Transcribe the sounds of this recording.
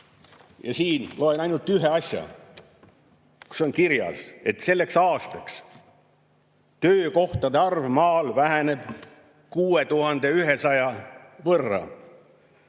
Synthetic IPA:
jɑ̰siːnlo̞enɑjnult̪ːˑyɦeɑsʲjɑ̰ | ku̥so̞nkiɾjɑ̰se̞t̪se̞lːe̞ksɑːst̪ɑks | t̪øːko̞ht̪ɑd̪eɑrvmɑːlvæɦæne̞b̥ | kuːe̞t̪uɦɑnd̪̥e̞yɦe̞sɑjɑvɤrːɑ̰

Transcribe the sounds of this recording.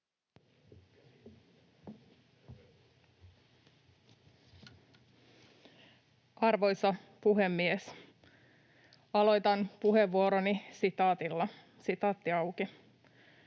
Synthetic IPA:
ɑrʋo̞jsɑpuɦe̞mːies | ɑlo̞jt̪ɑnpuɦeʋːuoɾonisit̪ɑːt̪ilːɑ | sit̪ɑːt̪ːiɑwki

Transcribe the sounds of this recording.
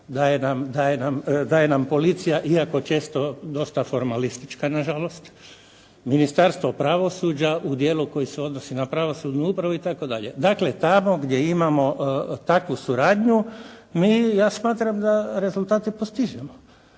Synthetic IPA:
d̪ajenamd̪ajenamd̪ajenampo̞lit̪sijaʔiako̞t͡ʃe̞ːst̪o̞d̪o̞st̪afo̞ɾmalist̪it͡ʃkanaʒalo̞st̪ | minist̪aɾst̪ʋopɾaʋo̞suːd͡ʑaʔud̪je̞ːluko̞jiseo̞d̪nosinapɾaʋo̞sud̪nuupɾaʋuit̪ako̞d̪aʎe̞̰d̪akle̞t̪amo̞ɡd̪je̞imamo̞t̪akʋusuɾaːd̪ɲumiːjaːsmaːt̪ɾamd̪aɾe̞zulˠt̪aːt̪ipost̪iʒemo

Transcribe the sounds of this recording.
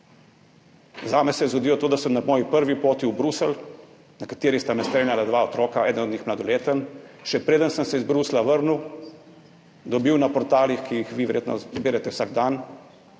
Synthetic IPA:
zaːmɛsɛjɛzɡod̪iːlɔt̪oːd̪asəmnamɔːjipəɾʋipoːt̪iubɾusəl | nakat̪eːɾist̪amɛst̪ɾeːnjalad̪ʋaɔt̪ɾɔːkaɛːd̪nɔd̪nixmlad̪ɔleːt̪ənʃɛpɾeːd̪ənsəmsɛizbɾuːslaʋəɾnuw | d̪ɔbiwnapɔɾt̪aːlixkijixʋiːʋɛɾjeːt̪nɔ̰zbeːɾɛt̪ɛwsaːɡ̚d̪an

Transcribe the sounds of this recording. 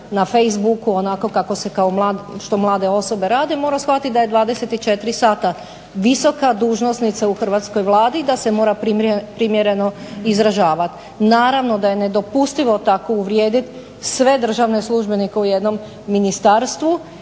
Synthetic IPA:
nafe̞jzbukuo̞nako̞kako̞se̞kaomlˠaːʃt̪o̞mlˠaːd̪e̞o̞so̞be̞ɾaːd̪emo̞ːɾasxʋat̪it̪̚d̪aje̞d̪ʋaːd̪e̞set̪it͡ʃe̞t̪ɾisaːt̪a | ʋiso̞kad̪uːʒnosnit̪sauxr̩ʋaːt̪sko̞jʋlˠaːd̪id̪ase̞mo̞ːɾapɾipɾimje̞ɾe̞no̞izɾaʒaːʋat̪ | naːɾaʋno̞d̪aje̞ne̞d̪o̞pust̪iʋot̪ako̞uʋɾje̞ːd̪it̪ | sʋe̞d̪r̩ʒaʋne̞slˠuʒbe̞nikeuje̞d̪no̞mː | inist̪aːɾst̪ʋu

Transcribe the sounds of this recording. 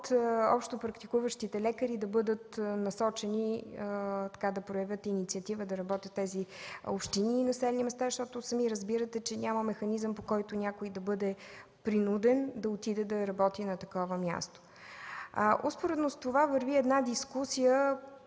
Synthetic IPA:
t̪ɔ̰pʃt̪opɾɐkt̪ikuvəʃt̪it̪ɛlɛkəɾid̪ɐbɤd̪ət̪nɐsɔt͡ʃɛni | t̪ɐ̥kad̪ɐpɾojɐvʲjɤt̪init̪siət̪ivəd̪ɐɾɐbɔt̪ʲət̪ːɛziopʃt̪iniːnɐsɛlɛnimɛst̪aʃt̪ɔt̪ʊsɐmiɾəzbiɾət̪ɛt͡ʃɛnʲaməmɛxɐnizəmpokɔjt̪ʊnʲjakoid̪ɐbɤd̪ɛ | pɾinud̪ɛnd̪ɐot̪id̪ɛd̪ɐɾɐbɔt̪inɐt̪ɐkɔvəmʲja̰st̪o̥ | ʔospoɾɛd̪nost̪ovavɐɾviɛd̪nad̪iskusijə

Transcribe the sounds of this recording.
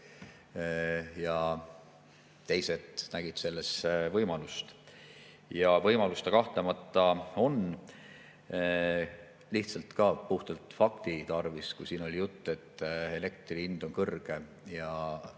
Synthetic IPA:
jɑ | t̪e̞jse̞t̪næɡ̥id̪̥se̞lːe̞svɤjmɑlust̪ | jɑvɤjmɑlust̪ekɑht̪lemɑt̪ːˑɑo̞n | liht̪sɑlt̪kɑpuht̪ɑlt̪fɑkt̪it̪ɑrviskusiːno̞lʲijut̪ːe̞t̪ːe̞le̞k̚t̪riind̪̥o̞nkɤrɡ̥e̞ | jɑ

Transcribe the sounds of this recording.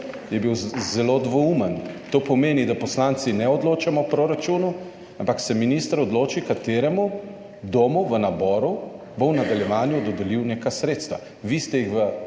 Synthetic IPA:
jɛbiwzɛlod̪ʋɔumənt̪oːpɔmeːnid̪apɔslant̪sinɛɔd̪loːt͡ʃamɔpɾoɾat͡ʃunu | ampaksɛminist̪əɾɔd̪loːt͡ʃikat̪eːɾɛmu | d̪oːmuʋənabɔːɾu | bownad̪aljɛʋaːnjud̪ɔd̪ɛliwneːkasɾeːt̪st̪ʋa̰ | ʋist̪ɛjixʋə

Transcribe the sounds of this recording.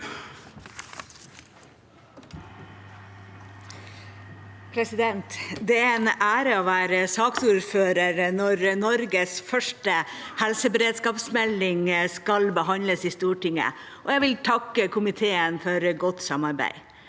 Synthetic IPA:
pʰɾɛsɪd̪ɛnt̪d̪ɛæɾɛnæːɾəoːʋæːɾəsɑːksuːɾføːɾəɾnɔɾnɔɾɡəsfœʂʈəhɛlsəbəɾeːd̪skɑːpsmɛlːɪŋskɑlbəhɑnləsiːst̪uːʈɪŋə̰ | ʔɔjæʋɪlt̪ʰɑkːəkʰʊmɪt̪ʰeːənfɔɾɡɔt̪sɑmɑɾbæ̰ɪ

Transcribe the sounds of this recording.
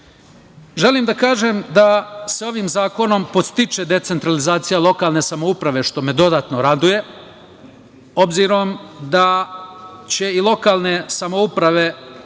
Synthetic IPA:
ʒe̞limd̪akaːʒe̞md̪aseo̞ʋimzaːko̞no̞mpost̪it͡ʃe̞d̪e̞t̪se̞nt̪ɾalizaːt̪sijalˠo̞kaːlˠne̞samoupɾaʋe̞ʃt̪o̞me̞d̪o̞d̪aːt̪noɾad̪uje̞ | o̞bziɾo̞md̪a | t͡ɕe̞ilˠo̞kaːlˠne̞samoupɾaʋe̞

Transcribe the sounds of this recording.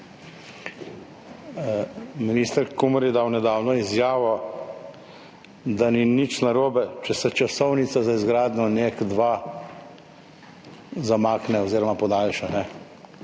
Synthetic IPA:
minist̪əɾkumɔɾjɛd̪awnɛd̪aːwnɔizjaːʋɔ | d̪aninit͡ʃnaɾoːbɛt͡ʃɛsɛt͡ʃasɔwnit̪sazaizɡɾaːd̪nɔnekd̪ʋa | zamaːknɛoziːɾɔmapɔd̪aːlʃanɛ

